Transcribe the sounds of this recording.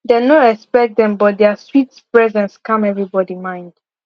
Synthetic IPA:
d̪enoɛspɛk̚d̪ɛ̃mbɔt̚d̪ɛswitspɹɛzɛ̃nskãmɛvɹibɔdimãɪ̃nd̥

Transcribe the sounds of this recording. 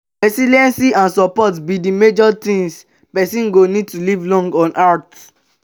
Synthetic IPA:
ɹɛsiliɛ̃nsiãnsɔpɔtbidimed͡ʒɔtĩŋs | pɛsĩnɡonid̚tulivlɔ̃ŋɡɔ̃nʔat

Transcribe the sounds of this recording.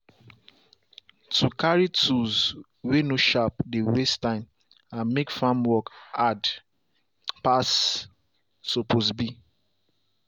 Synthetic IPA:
tukaɹitʰuz | wenoʃapdewestãɪ̃m | ãnmekfãmwɔkad | pas | soposbi

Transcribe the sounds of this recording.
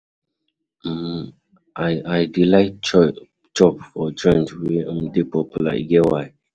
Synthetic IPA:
aajdilaɪt̚ | t͡ʃɔpfɔd͡ʒɔ̃nd͡ʒweə̃mdepɔpula̰ḭɡɛwaj

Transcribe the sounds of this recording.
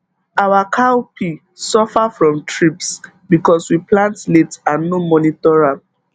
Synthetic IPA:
awakʰaopʰi | sɔfafɹɔ̃mtɹips | bikɔswiplãntletãnːomɔnitɔɹam

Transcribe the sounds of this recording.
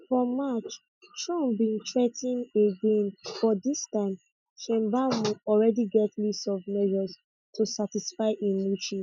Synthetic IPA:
fɔmat͡ʃ | tɹɔ̃mbĩntʰɹɛtĩneɡẽnfɔdistãɪ̃m | ʃɛ̃mbauɔlɹɛdiɡɛtʰlistɔvmɛʒɔs | tʰusatisfaɪʔĩnmut͡ʃĩ

